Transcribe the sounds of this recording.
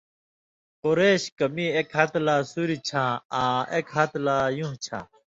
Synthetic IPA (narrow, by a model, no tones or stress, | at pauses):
qoɾeːɕkɐmiekɦɐt̪laːsuɾit͡ɕʰãːaːekɦɐt̪laːjũːt͡ɕʰã̰ː